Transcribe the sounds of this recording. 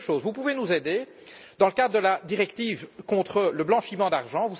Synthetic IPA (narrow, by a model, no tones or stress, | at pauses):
ʃoːzvupuvenuzed̪e | d̪ɑ̃ləkad̪ʁəd̪əlad̪iʁɛk̚t̪iːvkɔ̃t̪χələblɑ̃ʃimɑ̃d̪aʁʒɑ̃vus